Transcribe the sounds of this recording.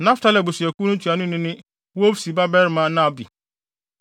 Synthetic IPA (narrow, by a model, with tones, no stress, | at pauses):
nã˦fta˦lɛ˨bʊ˨si˨ɛ˨ku˦nʊ̃˦tʰi˨a˨nʊ̃˦nɪ̃˦nɪ̃˦ | wo˦fsi˨ba˦bɛ˦ɾmã˦˨˦nã˦˨bi˨